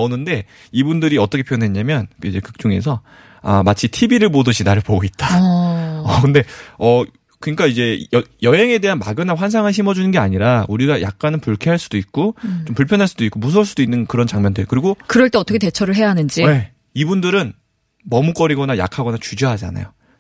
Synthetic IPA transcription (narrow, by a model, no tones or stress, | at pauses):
onɯnde̞ | ibundɯɾiʌt͈ʌkʰepʰijonwe̞ɲamjʌnkid͡ʑe̞kɯk̚t͡ɕ͈uŋe̞̰s̬ʰʌ | a̰mat͡ɕʰitʰibiɾɯɭpodɯɕʰinaɾɯɭpoɡoit̚t͈a | ʌkɯnde̞ʌ | kɯɲik͈aid͡ʑe̞ʌjʌɦe̞ŋe̞de̞ɦanma̰ɡjʌnaɸwans̬ʰaŋanɕ̬ʰimʌd͡ʑunɯnɡe̞aɲiɾauɾiɡaja̰k̚k͈anɯnpuɭkʰeɦaɭs͈ud̥oik̚k͈ot͡ɕompuɭpʰjʌnɦaɭs͈udoik͈omus̬ʰʌɭs̬͈udoinːɯnkɯɾʌnt͡ɕaŋmjʌndweokɯɾiɡokɯɾʌɭt͈eʌt͈ʰʌkʰetet͡ɕʰʌɾɯɭɦe̞jaɦanɯnd͡ʑie̞ | ibundɯɾɯn | mʌmuk͈ʌɾiɡʌnaja̰kʰaɡʌnat͡ɕud͡ʑoɦad͡ʑa̰na̰jo